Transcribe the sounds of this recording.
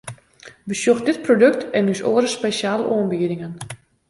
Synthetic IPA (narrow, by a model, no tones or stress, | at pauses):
ʋəsjoxdɪt̚prodøk̚tɛnysoːəɾəspeʃaːləʔoənbiədɪŋən